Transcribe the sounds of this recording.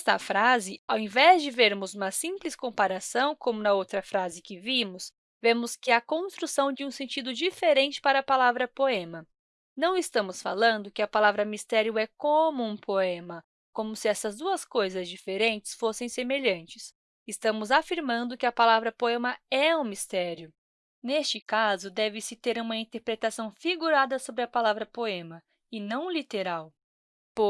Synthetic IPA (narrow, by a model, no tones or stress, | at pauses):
st̪ɐfɾazɪawẽvɛzd͡ʒɪveɾmʊzũmɐsĩplɪskõpaɾasɐ̃w̃kõmʊnɐowt̪ɾɐfɾazɪkɪvimʊs | vẽmʊskɪɐkõst̪ɾusɐ̃w̃d͡ʒɪũsẽnt͡ʃid̪ʊd͡ʒifeɾẽnt͡ʃɪ̥paɾɐːpalavɾɐpoẽmɐ | nɐ̃w̃ɪst̪ɐ̃mʊsfa̰lɐ̃nd̪ʊkɪɐpalavɾɐmist̪ɛɾiʊɛkõmʊũpoẽmɐ | kõmʊsɪɛsɐzd̪uɐskojzɐzd͡ʒifeɾẽnt͡ʃɪ̥sfosẽj̃semeʎɐ̃nt͡ʃɪs | ɪst̪ɐ̃mʊzafiɾmɐ̃nd̪ʊkɪɐpalavɾɐpoẽmɐɛũmist̪ɛɾiʊ | nest͡ʃɪkazʊd̪ɛvɪsɪt̪eɾũmɐĩnt̪eɾpɾet̪asɐ̃w̃fiɡuɾad̪ɐsobɾɪɐpalavɾɐpoẽmɐ | ɪnɐ̃w̃lit̪eɾaw | po